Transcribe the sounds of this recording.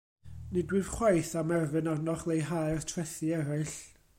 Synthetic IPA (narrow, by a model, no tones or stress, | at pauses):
nɨdwɪv̥χwajθamɛrvɨnarnɔχlˠejɦajrtʰrɛθiɛɾaɨɬ